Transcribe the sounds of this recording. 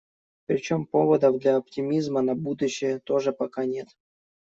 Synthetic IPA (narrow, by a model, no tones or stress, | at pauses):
pɾʲɪt͡ɕompo̞vəd̪əvd̪lʲaɐp̚tʲɪmʲizmənɐbud̪ʊɕːɪjət̪oʐɨpɐkanʲe̞t̪